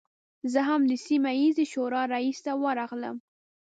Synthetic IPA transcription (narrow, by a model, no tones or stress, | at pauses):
zəɦamd̪əsimajizeʃoɾɑɾaist̪awəɾɑɣlə̰m